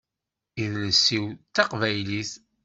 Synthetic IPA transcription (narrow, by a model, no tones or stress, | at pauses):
iðləsːiwt̪ːɑqvæjliθ